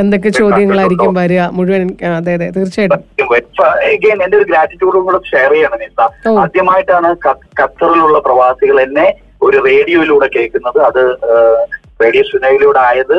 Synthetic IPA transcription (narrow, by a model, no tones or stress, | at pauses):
e̞nd̪o̞k̬ːe̞t͡ɕo̞ːd̪ʱjɐŋːɐɭaːjiɾikʲːumʋɐɾuɐmuɻuʋɐnɐd̪ːaːɦɐðet̪irt͡ɕːajʈ̪jɐʋɐeɡeːne̞nd̪eoɾuɡɾaːtːitːjuːɖuŋuːɽeʂejrɐjaːɳɨmisɐoːɐd̪ʱjɐmaːjiʈːaːɳɨkɐkɐt̪ːɐriluɭːɐprɐʋaːsiɣɐɭenːe̞ | o̞ɾure̞ːɽijoːiluːɽekːeːɭkːunːɐðɨɐðɨ | re̞ːɽijɐsunɐːʋiluːɽeaːjɐðɨ